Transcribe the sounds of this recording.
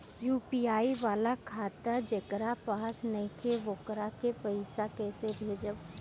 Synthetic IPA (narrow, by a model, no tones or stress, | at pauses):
juːpiaːiʋaːlakʰaːt̪ad͡ʒɐkɾapaːsnɐ̃kʰeʋoːkɾakepɐɪsakɛːsebʱeːd͡ʒəb